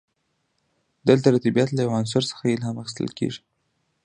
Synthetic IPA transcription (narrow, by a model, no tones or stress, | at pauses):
d̪əlt̪aɾat̪ibijat̪lajawans̬aɾsə̥xajelhamaxi̥st̪ə̰lkḛʐi̥